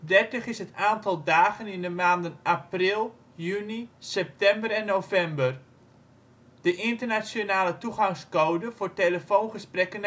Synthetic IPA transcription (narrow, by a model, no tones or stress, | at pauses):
dɛrtəχɪsɦətaːntɑlˠdaːχənɪndəmaːndənʔaprɪlˠ | jynisɛp̚tɛmbəɾɛnːowvɛmbər | d̥əʔɪntərnasjonaːlətuχɑŋskowdəvʊːɹteləfownχəsprɛkən